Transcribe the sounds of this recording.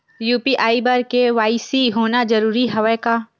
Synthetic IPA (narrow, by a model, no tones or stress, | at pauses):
juːpiʔaːibəɾkeʋaːisiɦoːnad͡ʒɐɾuːɾiɦɐʋɛkaː